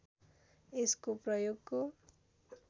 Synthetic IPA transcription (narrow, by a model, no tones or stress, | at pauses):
eskoprʌjoɡ̚ko